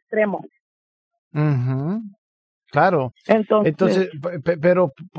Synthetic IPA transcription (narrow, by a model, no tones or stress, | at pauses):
st̪ɾemo̰ | m̩xm̩ | klaɾoent̪onent̪onsesppepeɾopp